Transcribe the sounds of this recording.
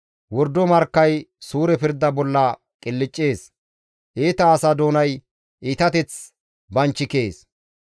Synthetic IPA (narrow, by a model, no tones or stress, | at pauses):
wɔɾd̪ːɔmɐɾkːɐjsuːɾɛpɪɾd̪ːɐbɔlːɐ | kʼɪlːɪt͡ʃʼːeːs | ʔeːt̪ɐːsɐd̪oːnɐj | ʔiːt̪ɐt̪ɛt͡s | bɐnt͡ʃːɪkeːs